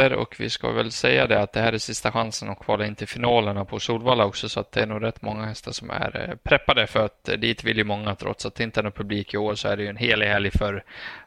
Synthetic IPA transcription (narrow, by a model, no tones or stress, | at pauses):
əɾɔ̰kvɪ̰ska̰vɛ̰lsɛjːa̰d̪ɛat̪̚d̪ɛɦæːɾæsɪst̪aɧansənɔkʰvɑːlaɪnt̪əfɪnɑːləɳapʰɔsuːlvɑːlaɔksɔsɔat̪̚d̪ɛæɳuːɡɾɛt̪ːmɔŋːahɛst̪aʂɔmæ̰ɾpʰɾɛpːad̪əfœɾat̪d̪iːt̪vɪljɵmɔŋːat̪ʰɾɔ̰t̪ːsat̪ːɪnt̪əɛnopʰɵbliːkɪoːɾsɔæɖɛjɵɛnɦeːlɪɡhɛːljfœɾ